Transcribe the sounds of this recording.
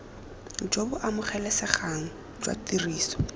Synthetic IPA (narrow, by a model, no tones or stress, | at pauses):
d͡ʒobʊʔamʊχɛlɛsɪχaŋ̩ | d͡ʒwa̰tiriːsɔ̥